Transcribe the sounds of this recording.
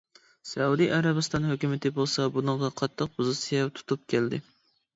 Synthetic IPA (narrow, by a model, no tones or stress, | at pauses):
sɛud̪ijʔɑɾɑbɨst̪ɑnhøkʲymɪt̪ʰɪbolˠsɑbunɨŋʁɑqʰɑt̪ʰːəq̚pʰuzɨt̪sijɛt̪ʰu̥t̪ʰup̚kʲʰæld̪ɪ